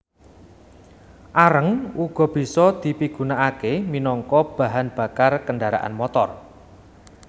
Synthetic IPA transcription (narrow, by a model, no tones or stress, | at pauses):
ʔaɾəŋuɡ̥ɔ̤b̥i̤sɔd̪̥i̤piɡ̥ṳnaakeminɔŋkɔb̥a̤ɦanb̥a̤karkənɖaɾa̰ʔa̰nmɔt̪ɔr